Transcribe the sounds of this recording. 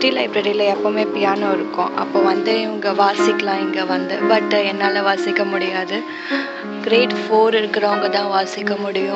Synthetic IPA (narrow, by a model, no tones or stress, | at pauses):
ʈilɐɪpɾɛɾilɐɛpːomeːpɪjaːnõːɪɾɯkːʊ̰̃ʔɐ̰pːoːʋɐnd̪ɯɪʋɐŋɡɐʋaːsɪkːɐlãːɛŋɡɐʋɐnd̪ɯbɐʈːɛnːaːlɐʋaːsɪkːɐmʊɽɪjaːðɯ | ɡɪɾeːʈfoːɾɪɾɯkːɪɾɐʋɐŋɡɐt̪ãːʋaːsɪkːɐmʊɽɪjʊ̃